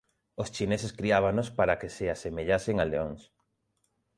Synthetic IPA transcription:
ost͡ʃineseskɾiaβ̞anospaɾakesɪasemeʎaseŋaleoŋs

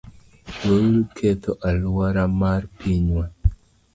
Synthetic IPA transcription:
woɾukʰet̪ʰoʔalwaɾamarpiɲwa

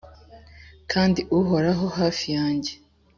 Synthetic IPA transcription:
kʰaːndiʔuɦo̞ɾaɦo̞haːfijaːɲɟe̞

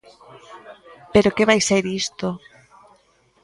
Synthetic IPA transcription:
peɾokeβajseɾist̪o

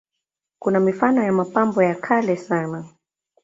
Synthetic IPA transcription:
kunamifanɔjamapambɔjakʰalɛsana

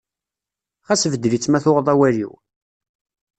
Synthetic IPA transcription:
χæsvəd̪ɾit͡sːmæθʊʁðˤawæɾḭw

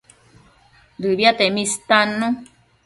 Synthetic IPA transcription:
dɨβiat̪emĩst̪anũ

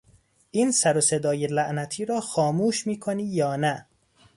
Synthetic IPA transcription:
ʔiːnsæɾose̞d̪ɒːjelæʔnæt̪ʰiːɾɒːxɒːmuːʃmiːkʰoniːjɒːnæ

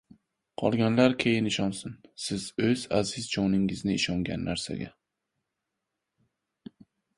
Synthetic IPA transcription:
qʰɒ̰lˠɡʲanlaɾkʲʰejɪnɪʃɒnsɪnsɪzɵzazɪzd͡ʒɒnɪŋɪznɪːʃɒŋɡʲa̰nːaɾsa̰ɡʲa̰

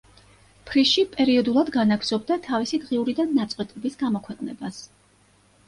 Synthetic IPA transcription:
pʰɾiʃipʼɛɾiɔd̪ulˠad̪ɡanaɡz̥ɔb̚d̪at̪ʰavisid̪ʁiuɾid̪anːat̪sʼqʼwɛt̪ʼɛbisɡamɔkʰwɛqʼnɛbas

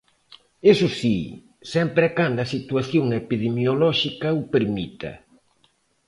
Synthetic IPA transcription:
esʊsḭ | sɛmpɾɪakand̪ɐsit̪waθjoŋepiðemjolɔʃikaupeɾmit̪ɐ̰

